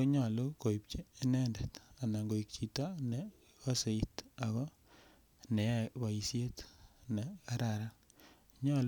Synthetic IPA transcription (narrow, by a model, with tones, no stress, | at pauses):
oɲa˨lo˦ko˨i˨pt͡ʃiː˦nɛ˦ndɛ˨ta˨na˨ŋɡo˨i˨k̚t͡ʃi˨ta˦nɛ˨ | a˦se˨i˦ta˨ɣɔ˦ | nɛ˨˦βa˨i˨sje˦tnɛ˨a˦ɾa˨ɾa˦ | ɲa˦l